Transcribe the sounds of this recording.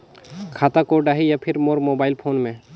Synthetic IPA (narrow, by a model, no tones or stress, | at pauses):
kʰaːt̪akoːɖaːɦijapʰɪɾmoːɾmoːbaːɪlpʰoːnmẽ